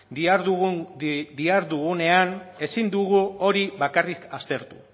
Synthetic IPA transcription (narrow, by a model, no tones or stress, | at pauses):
iaɾu | d̪iaɾðuɣune̞ane̞sind̪uɣuo̞ɾiβakarikast̪e̞ɾt̪u̥